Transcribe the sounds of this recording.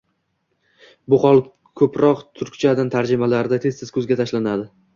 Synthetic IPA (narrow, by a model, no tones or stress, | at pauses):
bʊχɒlˠ | kʰɵpɾɒqt̪ʰʊɾkʲt͡ʃʰad̪ant̪ʰaɾd͡ʒɪmalaɾɪd̪at̪ʰe̞st̪ɪz̥kʰɵzɡʲat̪ʰaʃlanad̪ɪ